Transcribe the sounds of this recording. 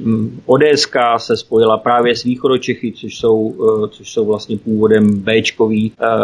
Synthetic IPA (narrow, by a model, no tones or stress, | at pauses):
ʔodɛːɛskaːsɛspo̞jɪlapɾaːvjɛsviːxo̞dot͡ʃɛxɪt͡soʃso̞wt͡soʃso̞wvlast̪ɲɛpuːvo̞dɛmbɛːt͡ʃko̞viː